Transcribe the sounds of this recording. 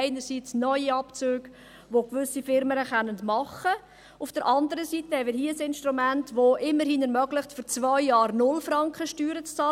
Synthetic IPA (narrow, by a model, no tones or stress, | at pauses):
ɪnəɾsit͡snœʏiɑpt͡søːɡ | ʋokʋʏsifɪɾmənəχɛnəndmɑχə | ufd̥əɾʔɑndəɾəsitəhɛmɪɾhiːəəsɪnʃtɾumæntʋoʔɪmːəɾhinɛɾmœɡlɪχtfyɾt͡svœʏjɑːɾnʊlfɾɑŋkχəʃtyːɾət͡st͡sɑ